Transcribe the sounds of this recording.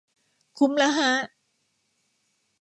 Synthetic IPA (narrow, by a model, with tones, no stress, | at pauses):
kʰu˧˥mla˧ɦa˦˥ʔ